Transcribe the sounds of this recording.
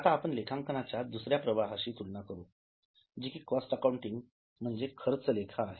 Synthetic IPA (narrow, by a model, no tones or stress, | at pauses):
at̪aːpəɳlekʰãŋkənat͡ɕjad̪usɾjapɾəʋaɦaɕiːt̪ulnakəɾu | d͡ʑikʰiːkɔsʈəkauɳʈiŋɡ | m̤əɳd͡zekʰəɾət͡səlekʰaːɦe